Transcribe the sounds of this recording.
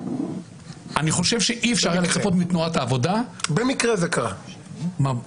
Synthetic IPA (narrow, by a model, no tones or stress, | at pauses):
aniχo̞ʃe̞vʃe̞ʔiefʃaʁjaleχapo̞t̪mit̪nuat̪aːvo̞dabemikʁezekaʁa̰ma